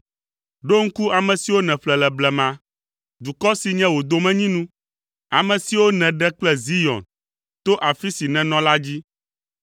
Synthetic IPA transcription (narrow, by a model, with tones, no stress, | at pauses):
ɖo˦ŋ̩˦ku˦a˨mɛ̃˨si˨wo˦nɛ̃˨ɸlɛ˨lɛ˨blɛ˨mã˨ | d̪u˨kɔ˦si˨ɲɛ̃˦wo˨d̪o˨mɛ̃˦ɲĩ˦nũ˦ | a˨mɛ̃˨si˨wo˦nɛ̃˨ɖɛ˦k͡plɛ˦zi˦jɔ̰̃˨n | t̪o˦ʔa˨fi˦si˨nɛ̃˨nɔ̃˦la˦d͡ʑi˦